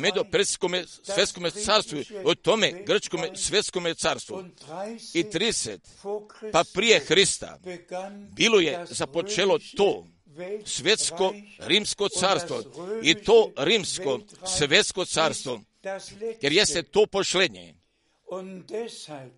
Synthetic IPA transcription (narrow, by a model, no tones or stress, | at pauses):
med̪upɾekomesʋje̞t̪skomesaːɾst̪ʋuot̪o̞meɡr̩t͡ʃkomesʋje̞t̪skomet̪saːɾst̪ʋṵ | it̪ɾid̪eset̪ | papɾijexɾist̪a̰ | biːlojezapot͡ʃelot̪oː | sʋet̪skoɾiːmskot̪saːɾst̪ʋo̰it̪oːɾiːmsko | sʋet̪skot̪saːɾst̪ʋo | jeɾjest̪et̪oːpoʃled̪ɲḛ